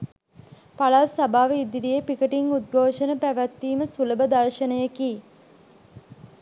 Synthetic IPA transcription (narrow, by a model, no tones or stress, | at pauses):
palaːsabaːʋəid̪iɾijepikəʈiŋud̪̚ɡʱoːʃənəpæʋæt̪ːiːməsuləbəd̪aɾʃənəjəki